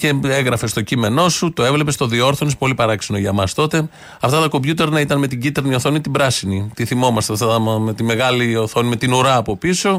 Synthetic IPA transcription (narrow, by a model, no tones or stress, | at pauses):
ce̞eɣɾɐfe̞st̪o̞cime̞no̞sut̪o̞e̞vle̞pest̪o̞ðio̞ɾθonispo̞lipɐɾɐksino̞ʝɐmɐst̪o̞t̪e̞ | ɐft̪ɐt̪ɐko̞bʝut̪e̞ɾnɐit̪ɐnme̞t̪iɟit̪eɾnioθo̞nit̪ibɾɐsinit̪iθimo̞mɐst̪eft̪ɐt̪ɐmet̪ime̞ɣɐlioθo̞nime̞t̪inuɾɐːpo̞piso̞